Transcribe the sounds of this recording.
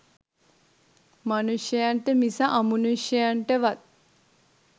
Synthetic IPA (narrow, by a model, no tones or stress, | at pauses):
manuʃjəjaɳʈəmisaʔamunuʃjəjaɳʈəʋat̪̚